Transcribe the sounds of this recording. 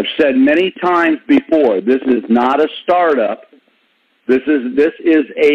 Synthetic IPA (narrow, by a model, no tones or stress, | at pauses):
ɪv̥sɛd̚mɛɾ̃itʰãɪ̃mzbɨfɔɹðɪsɨznəɾəstɑɹɾʌp̚ | ðɪsɨzðɪsɪzɨ